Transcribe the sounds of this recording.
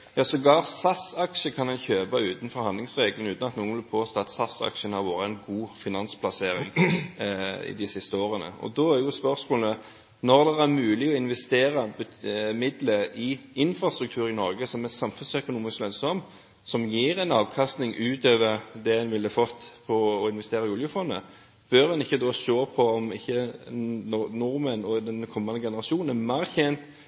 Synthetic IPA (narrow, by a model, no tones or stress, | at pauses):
jɑːsɔɡɑːʁsɑsɑkʂəkʰɑnɛnçøːbɑʉːt̪n̩fɔɾhɑnd̪lɪŋsʁeːɡlnʉːt̪nɑt̪nuːənʋɪlpʰoːst̪oːɑt̪sɑsːɑ̰kʂənhɑɾʋoːɾəɛɪnɡuːfɪnɑnspʰlɑseːɾɪŋ | ɪ̰d̪ɪsɪst̪əoːʁənə̰ɔ̰d̪ɔæɾjʊspœʁsmoːlə | nɔʁd̪ɛæɾmʉːlɪɔɪnʋɛst̪eːɾɑbəmɪd̪ləʔɪɪnfɾɑst̪ɾʉk̚t̪ʰʉːɾɪnɔɾɡəsɔmɛsɑmfʉnsœkʊnuːmɪsklœnsɔm | sɔmjiːɾɛnɑːʋkʰɑst̪nɪŋʉːt̪øːʋəɾd̪ɛɛnʋɪlːəfɔt̪ːpʰɔːɪnʋɛst̪eːɾɪʊljəfɔnd̪ə̰ | b̥œɾdɛnɪçːəd̪oːsoːpʰɔɔmɪçːə | ɔnʊɾmənɔd̪ɛnkʰɔmːɑnd̪əɡɛnəɾɑʃuːnnæmæɾçɛnt̪